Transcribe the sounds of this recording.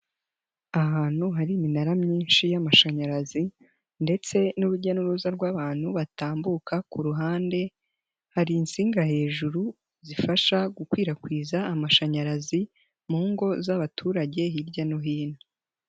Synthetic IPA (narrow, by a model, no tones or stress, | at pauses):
aɦaːn̥huɦaɾiːminaɾamɲiːnʃijamaʃaɲaɾazi | nde̞t͡se̞nuɾuɟanuɾuzaɾɡwaːβaːn̥huβataːmbukakuɾuɦaːnde̞ | haɾiːnsiːŋɡahe̞ːʒuɾu | zifaʃaɡukwiːɾakwiːzaːmaʃaɲaɾazi | muːŋɡo̞zaβatʰuːɾaɟe̞ɦiɾɟanoɦiːno